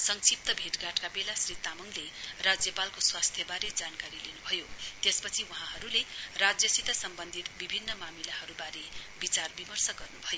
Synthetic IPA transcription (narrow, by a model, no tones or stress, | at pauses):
sʌŋsip̚t̪ʌbʱeʈɡaʈkabelasrit̪amʌŋlerad͡zjʌpalkoswast̪ʰjʌbaɾed͡zankaɾilinubʱʌjot̪espʌt͡sʰiwuɦãɦʌɾulerad͡zjʌsit̪ʌsʌmbʌnd̪ʱit̪bibʱinːʌmamilahʌɾubaɾebit͡sarbimʌrsʌɡʌrnubʱʌjo